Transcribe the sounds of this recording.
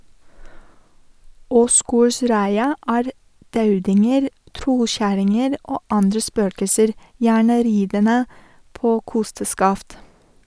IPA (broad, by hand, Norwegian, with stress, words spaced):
ˈoːsɡoːɾˌsɾæɪɑ ˈæːɾ ˈdɑʉdɪŋəɾ ˈtɾɔˌçæɾɪŋəɾ ˈoː ˈɑndɾə ˈspøːkəsəɾ ˈjæːɳə ˈɾiːdənə ˈpoː ˈkʊstəskɑft